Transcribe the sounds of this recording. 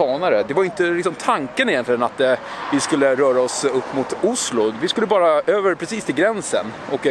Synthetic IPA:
ɑːnaɾəd̪ɛvaɾjʏɪnt̪əlɪksɔmt̪ʰaŋkənɪjɛnt̪lɪɡənat̪ | vɪskɵlːəɾœːɾaɔsɵpːmʊt̪ʊslʊvɪskɵlːəbɑːɾaøːvəɾpʰɾɛsiːst̪ʰɪlɡɾɛnsə̰nɔk

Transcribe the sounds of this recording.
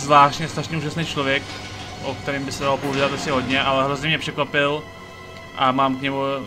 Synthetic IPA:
zvlaːʃtɲɛst̪ɾaʃɲɛuːʒasnejt͡ʃlo̞vjɛk | ʔok̚t̪ɛɾɪmbɪsɛdalopouvidat̪asɲɛɦo̞dɲɛʔalɛɦɾozɲɛmɲɛprɛkvapɪl | ʔamaːmkɲɛmu

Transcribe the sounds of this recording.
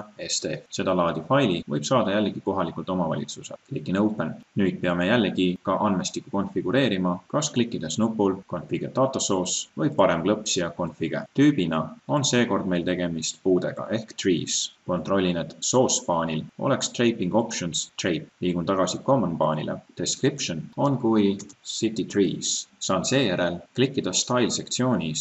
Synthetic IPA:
est̪efse̞d̪̥ɑlɑːd̪̥ifɑjlivɤjb̥sɑːd̪̥ɑjælːeɡ̥iko̞ɦɑlikˑult̪o̞mɑvɑ̰lʲḭt̪susḛllikːˑinowpːˑennyːd̪̚pe̞ɑme̞jælːeɡikɑʔɑnmest̪ikːˑuko̞nfiɡ̥uɾe̞ːɾimɑkɑsklikːˑid̪̥e̞snupːˑulko̞nfiɡ̥et̪ɑːt̪ːˑoso̞ːsvɤjpɑɾe̞mklɤpsjɑko̞nfiɡ̥e̞̰t̪yːbinɑo̞nse̞ːko̞rd̪me̞jlt̪e̞ɡ̥e̞mist̪puːd̪e̞ɡ̥ɑ̰ʔe̞hkt̪rḭːsko̞nt̪ˑro̞lʲːined̪̥so̞ːspɑːnʲilo̞̰le̞kst̪rejpiŋɡ̥o̞pʃonst̪rejpliːɡ̥unɑɡ̥ɑsiko̞mːonpɑːnʲḭlḛd̪̥e̞skripʃono̞nkujsit̪ːit̪riːssɑːnse̞ːjæɾe̞lklikːˑid̪̥ɑst̪ɑjlse̞kt̪sio̞ːnʲis

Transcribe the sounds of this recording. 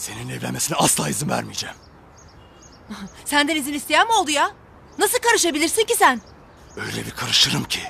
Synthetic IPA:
seninɛvlʲenmesinɛaslˠaːjizɯmvæ̰ɾmijd͡ʒæm | sænd̪ænizinist̪ʰejænmo̞lˠd̪uja | nasɯlˠkʰaɾɯʃabilʲiɾsincisæn | øjlʲebikʰaɾɯʃɯɾɯmcʰi

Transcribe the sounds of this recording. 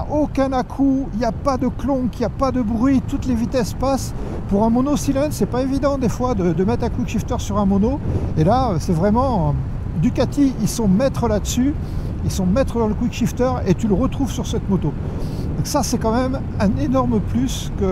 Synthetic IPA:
aʔokʲɛ̃nakʰuiljapad̪əklɔ̃kiljapad̪əbʁɥit̪ut̪levit̪ɛspas | puʁɛ̃mɔnosilɛ̃nd̪sɛpaevid̪ɑ̃d̪efwad̪əd̪əmɛt̪χɛ̃kwikʃift̪œʁsyʁɛ̃mɔnoelaøsɛvʁɛmɑ̃ | d̪ykat̪iilsɔ̃mɛt̪χəlad̪əsy | ilsɔ̃mɛt̪χəd̪ɑ̃ləkwikʃift̪œʁet̪yləʁət̪χuvsyʁsɛt̪mot̪o | d̪ɔ̃ksasɛkɑ̃mɛm | ɛ̃nenɔʁməplys | kə

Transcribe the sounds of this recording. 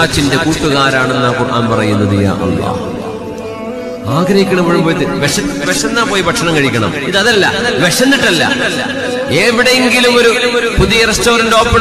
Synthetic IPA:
aːt͡ɕːinde̞kuːʈːuɣaːɾaːɳe̞nːakurʔa̰ːnpɐrɐjunːɐðija̰ːʔɐ̰lːɑ̰ːh | aːɡɾɐhikʲːɐɳɐmɐːɻumboːjðɨʋeʂɐʋeʂɐnːaːpoːjibʱɐʈʂɐɳɐmkɐɻikʲːɐɳɐmiðɐðɐlːɐ̰ʋeʂɐnːiʈːɐlːɐ̰ | eʋiɽejeŋɡilumo̞ɾupuðijɐrestoːɾɐndo̞ːpːe

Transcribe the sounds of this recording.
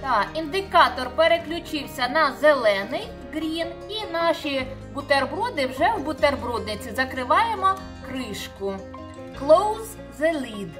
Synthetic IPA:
t̪ɑind̪ɪkɑt̪ɔrpeɾeklʲʊt͡ʃɪwsʲɐnɐzelˠɛnɪj | ɡɾʲin | inɑʃibʊt̪erbɾɔd̪ɪwʒɛwbʊt̪erbɾud̪nɪt͡sʲizɐkɾɪʋɑjemɔ | kɾɪʃkʊ | klˠowz | zelʲid̪

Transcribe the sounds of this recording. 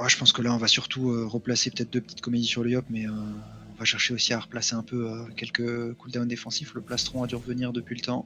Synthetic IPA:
waʒəpɑ̃skəlaɔ̃vasyʁt̪uøʁəplasepøt̪ɛt̪χd̪øpə̥t̪i̥t̪kɔmed̪isyʁljɔpmɛøɔ̃vaʃɛʁʃeosiaʁəplaseɛ̃pøøkʲɛlkəkuld̪awnd̪efɑ̃sifləplast̪χɔ̃ad̪yʁəvəniʁd̪əpɥilət̪ɑ̃

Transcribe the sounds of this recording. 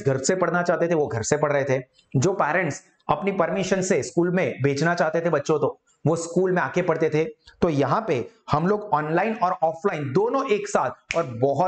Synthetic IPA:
ɡʱɐɾsepɐɽnat͡ʃaːɦt̪et̪ʰeʋoɡʱɐɾsepɐɽ̤ɾɐɦet̪ʰeː | d͡ʒoːpɛːɾə̃ɳʈs | ɐpnipɐɾmɪʃənseskuːlmẽbʱeːd͡ʒnat͡ʃaːɦt̪et̪ʰebɐtːʃõt̪o | ʋoskuːlmẽaːkepɐɽt̪et̪ʰet̪ojɐɦãpehɐmloːɡɔːnlaːɪnɔːɾɔːflaːɪnd̪oːnõʔeːksaːt̪̚ʰɔːɾbɔɦʊ

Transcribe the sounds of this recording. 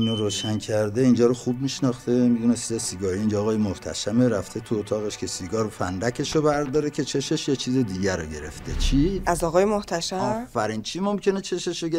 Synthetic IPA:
inoɾoːʃæncʰæɾd̪e̞ind͡ʒɒːɾoxub̚miʃnɒxt̪e̞mid̪unet͡ʃʰizesiɡɒːhiiːnd͡ʒɒːɣɒːjemoht̪ʰæ̰ʃæmeɾæft̪ʰe̞t̪ʰuot̪ʰɒːɣeʃcʰʲe̞siɡɒːɾfænd̪ækʰe̞ʃobæɾd̪ɒːɾecʰe̞t͡ʃʰe̞ʃeʃjet͡ʃʰized̪iːɟæɾoɟe̞ɾe̞̰ft̪ʰe̞t͡ʃʰiæzɒːɣɒːjemoht̪ʰæʃæɒːfæɾiːnt͡ʃʰiːmomcʰe̞net͡ʃʰe̞ʃeʃoɡe

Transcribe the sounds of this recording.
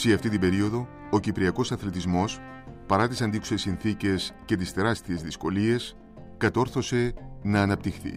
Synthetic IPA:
seɐft̪it̪ibe̞ɾio̞ðo̞ | ocipɾiɐko̞sɐθlet̪izmo̞s | pɐɾɐt̪isɐnd̪iku̥se̞sinθice̞sce̞t̪̬ist̪e̞ɾɐst̪ie̞zðisko̞lie̞s | kɐt̪o̞ɾθo̞se̞nɐːnɐpt̪ixθḭ

